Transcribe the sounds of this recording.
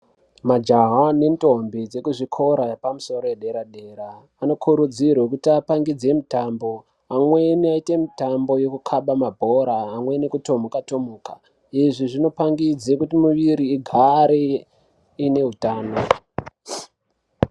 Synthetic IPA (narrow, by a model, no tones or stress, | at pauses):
mad͡ʒaɦane̞nto̞mbid͡ze̞kuʐikʰo̞ɾaepamuso̞ɾojeɗe̞ɾaɗe̞ːɾaː | no̞kʰuɾud͡zirwe̞kutiapaŋɡid͡ze̞mitambo̞ | amweniaite̞mitambo̞je̞kukʰaɓamabʱo̞ɾaːmwe̞nikuto̞mokato̞moːka | iʐiʐino̞paŋɡid͡zekutimuʋiɾiːɡʱaɾe | ine̞ɦutaːno